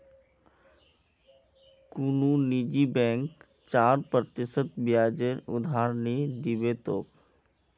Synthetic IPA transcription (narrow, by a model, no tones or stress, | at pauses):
kununid͡ʒibɛ̃ːŋk | t͡ʃaːɾpɾət̪ɪsət̪bjaːd͡ʒənʊ̰d̪ʱaːɾnid̪ɪbet̪oːk